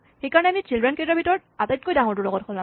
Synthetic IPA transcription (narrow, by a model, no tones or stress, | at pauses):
xejkaɹɔnɛamit͡ɕildɹɛnkedɹɔbitɔɹ | atat̚kojdaŋɔɹtʊɹlɔɡɔt̚kʰɔlːã